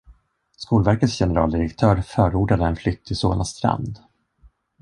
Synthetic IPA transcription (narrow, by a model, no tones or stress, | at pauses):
skuːlvæɾkət̪sjɛnəɾɑːld̪ɪɾɛkt̪ʰœːɾfœːɾuːɖad̪əɛnflʏt̪ʰːɪso̰ːna̰st̪ɾa̰nd̪